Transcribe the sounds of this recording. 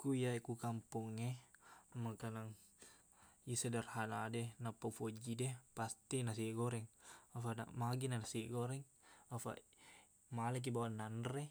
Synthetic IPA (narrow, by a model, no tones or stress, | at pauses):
kujakukampuŋɛmakanaŋ | isədarhanadɛnapafod͡ʒidɛpast̪inas̬iɡɔɾɛŋafana̰maɡinanasieɡɔɾɛŋ | afa̰ʔ | malɛk̬ibawananrɛ